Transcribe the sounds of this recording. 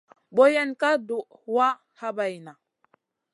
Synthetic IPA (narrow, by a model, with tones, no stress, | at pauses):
ɓo˦je˦nka˦du˨ʔwa˦ | ha˦ba˨jna˨